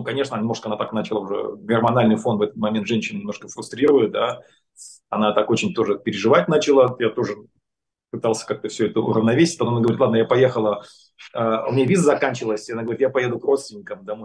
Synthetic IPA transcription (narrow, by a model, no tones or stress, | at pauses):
nukɐnʲe̞ʂnənʲɪmnoʂkəɐnat̪aknat͡ɕɪlˠaʊʐɛ̰ɡɪrmɐnalʲnɨjfo̞nt̪vɛt̪ət̪̚mɐmʲent̪ʐɛnʲɕɪnnʲɪmnoʂkəfɾʊst̪ɾʲiɾəvəjɪt̪̚d̪a | ɐnat̪ako̞t͡ɕɪnʲt̪o̞ʐɨpʲɪɾʲɪʐɨvat̚ʲnat͡ɕɪlˠajat̪o̞ʐɨ | pɨt̪alˠsʲə̥kak̚t̪əfsʲɵɛt̪əʊ̰ɾəvnɐvʲesʲɪt̚ʲpɐt̪omnaɡəvɐɾʲit̪ˠad̪nəjapɐjexəlˠə | əʊ̰mʲɪnʲavʲizəzɐkanʲt͡ɕɪvəlˠəsʲɐnaɡəvɐɾʲit̪japɐjed̪ʊkro̞t̪st̪vʲnʲɪkəmd̪amo